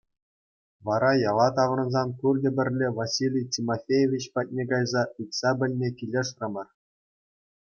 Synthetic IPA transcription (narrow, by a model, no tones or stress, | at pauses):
ʋɑɾɑjɑlˠɑt̪ɑʋrɤ̆nzɑnkurdʲɘ̆bʲɘ̆rʲlʲeʋosʲilʲijtʲimofʲejeʋʲit͡ɕpɑt̚ʲnʲeɡɑjzɑitʲsɑbʲɘ̆lʲnʲekʲilʲeʂrɤ̆mɤ̆r